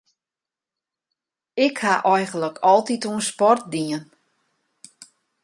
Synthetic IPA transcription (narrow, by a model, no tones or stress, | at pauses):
ɪkhaʔɔjɣən̩ləkʰɔlˠtituənspɔrt̚diən